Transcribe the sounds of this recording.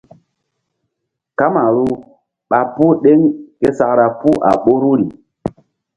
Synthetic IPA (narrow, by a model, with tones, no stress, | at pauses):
ka˦ma˨ɾu˦ | ɓa˨pu˦ɗe˦ŋke˦sa˨kɾa˨pu˦ʔa̰˨ɓo˦ɾu˦ɾi˨